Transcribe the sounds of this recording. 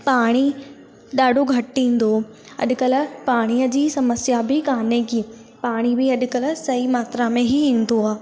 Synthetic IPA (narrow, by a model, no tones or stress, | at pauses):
paːɽ̃i | ɗaːɖʱoɡʱɐʈʈĩːn̆d̪o | ɐ̰ɗkəl̆paːɽ̃iəd͡ʑiːsɐməsjabʱɪkaːnekiː | paːɽ̃ibɪɐɗ̆kəlsɐimaːt̪ɾamẽɦiĩːn̆d̪oaː